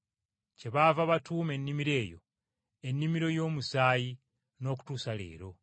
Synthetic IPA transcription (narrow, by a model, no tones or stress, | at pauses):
ce̞βavaβatuːme̞nːimiɾe̞ːjo̞̰ | e̞nːimiɾo̞jo̞ːmusaːji | no̞ːku̥tuːsale̞̰ːɾo̞